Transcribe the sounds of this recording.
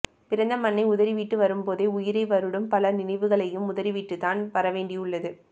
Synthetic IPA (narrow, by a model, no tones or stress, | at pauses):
pɪɾɐnd̪ɐmɐnːɐɪʊðɐɾiʋiːʈːɯʋɐɾɯmpoːðeːʊjɪɾɐɪʋɐɾɯɽɯmpɐlɐnɪnɐɪʋɯɣɐɭɐjɯmʊðɐɾiʋiːʈːɯt̪ːaːnʋɐɾɐʋeːɳɖiʊɭːɐðɯ